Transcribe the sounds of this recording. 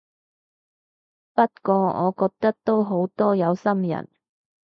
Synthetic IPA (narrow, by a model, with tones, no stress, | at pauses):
pɐ˥t̚kɔː˧ɔ̰ː˨˧kɔː˧k̚t̪ɐ˥k̚t̪o˥wɦo˨˥wt̪ɔː˥jɐ˨˧wsɐ˥mjɐ̰˨˩n